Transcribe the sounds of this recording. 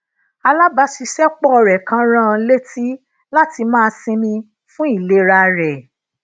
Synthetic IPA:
a˧la˦ba˨˦ʃi˧ʃɛ˦k͡pɔ˦ɔ˧ɾɛ˨kã˧˦ɾ̃ã˦˧le˦ti˦ | la˦ti˧mãː˦˧sĩ˧mĩ˧ | fũ˦i˦˨le˨˦ɾa˧ɾɛ˨

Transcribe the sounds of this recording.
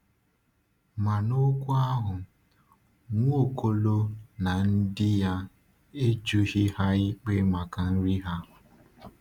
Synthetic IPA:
ma˨no˦kʷʊ˦a˦ɦʊ˨ | ŋʷ˦o˦˨kʰo˦lo˦na˨n̩˦dɪ˦ja˦ | e˦d͡ʒu˦ɦɪ˦ha˦ɪ˦k͡pe˦ma˨ka˨n̩˦ɾi˦ɦa˦˨

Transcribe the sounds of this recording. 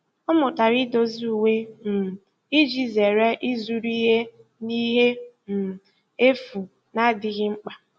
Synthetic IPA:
ɔ˦mʊ˨ta˨ɾi˦do˨zu˨we˦m̩˨ | i˦d͡ʒi˦ze˨ɾe˦ʔi˦zu˦ɾi˦ɦe˦ | ni˦ɦe˦ | m̩˨ | e˦fu˨ | na˦dɪ˦ɣɪ˦ŋ͡m̩˦k͡pa˨

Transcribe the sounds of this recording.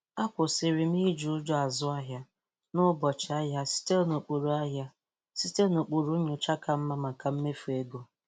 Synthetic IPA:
a˦kʷʊ˨sɪ˨ɾi˨m̩˦i˦d͡ʒu˨ʊ˦d͡ʒɔ˦a˨zʊ˦a˦ɦja˦ | nʊ˦bɔ˨t͡ʃɪ˨a˦ɦja˦si̥˦te˦no˨k͡po˨ɾu˨a˦ɦja˦ | si˦te˦no˨k͡po˨ɾu˦ɲʊ˨t͡ʃa˦ka˨m̩˦ma˦ma˨ka˨m̩˦me˦fu˨e˦ɡo˦

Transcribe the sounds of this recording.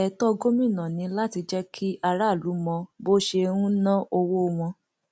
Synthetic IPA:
ɛ˨tɔ˦˧ɡo˦mĩ˦˨nã˨nĩ˧la˦ti˧d͡ʒɛ˦kʰi˦a˧ɾa˦˨lu˨˦mɔ̃˧bo˦ʃe˧ɾũ˦nã˦ʔo˧wo˦˧w̃ɔ̃˧

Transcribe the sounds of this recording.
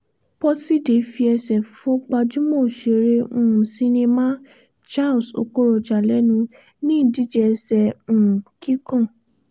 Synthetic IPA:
pɔ˦si˦de˨˦fi˧ɛ˧sɛ˨fõ˨˦k͡pa˧d͡ʒũ˦mɔ̃˦˨ʃe˨ɾẽ˧˨si˧˦nĩ˧mã˦ | t͡ʃa˦˨lso̰˧ko˦ɾɔ˧d͡ʒa˨lɛ˨˦nũ˧˦ | nĩ˦˨di˦d͡ʒɛ˧sɛ̃˨ki˦kɔ̃˦˨

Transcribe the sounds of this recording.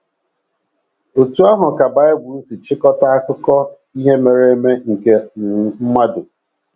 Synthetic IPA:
o˨tu˦a˦ɦʊ˨ka˨ba˨ɪ˦bʊ˨n̩˦si˨t͡ʃɪ˦kɔ˦ta˦a˦kʊ˦kɔ˦ | i˦ɦe˦me˨ɾe˦me˦ŋ̩˨ke˨n̩˨˦m̩˦ma˦dʊ˨

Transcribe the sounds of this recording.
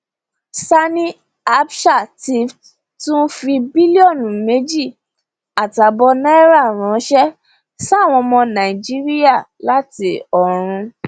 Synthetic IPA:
sa˦nĩ˦ | a˦bʃa˦˨ti˧f | tũ˦fi˧bi˦li˦ɔ˦˨nũ˨me˨˦d͡ʒi˦˨ | a˨ta˨bɔ˧na˦i˦ɾa˦˨ɾ̃ɔ̃˨˦ʃɛ˦ | sa˦˨w̃ɔ̃˧mɔ̃˧nã˨i˨d͡ʒi˦ɾi˦ja˦˨la˦ti˧˦ɔ˨ɾ̃ũ˧

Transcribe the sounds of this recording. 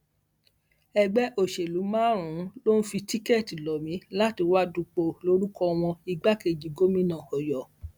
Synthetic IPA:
ɛ˧ɡ͡bɛ˦ʔo˦˨ʃe˨lu˨˦mãː˦ɾ̃ũ˨˦lo˦n̩˦fi˧ti˦ke˦˨ti˨lɔ˨mĩ˨˦la˦ti˨˧wa˦du˧k͡po˨lo˨˦ɾu˦kɔ˧w̃ɔ̃˧i˧ɡ͡ba˦ke˧˨d͡ʒi˨˦ɡo˦mĩ˦nãː˦˨ɔ˨jɔ˨

